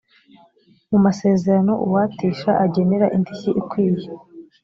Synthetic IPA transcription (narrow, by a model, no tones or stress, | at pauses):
mumase̞ːze̞ɾano̞ʔuwatiːʃaʔaɟe̞neɾaʔindiçiʔikwiːβje